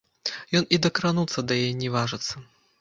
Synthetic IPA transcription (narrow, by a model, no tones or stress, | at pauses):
jɔnid̪ɐkɾanut̪sːɐd̪ɐjajɛnʲivaʐɨt̪sːɐ